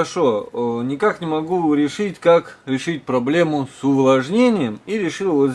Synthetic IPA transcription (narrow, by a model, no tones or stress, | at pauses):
ɐʂonʲɪkaknʲɪmɐɡuɾʲɪʂɨtʲkakɾʲɪʂɨt̚ʲpɾɐblʲe̞mʊsʊvlˠɐʐnʲenʲɪjəmiɾʲɪʂɨlˠvəzʲ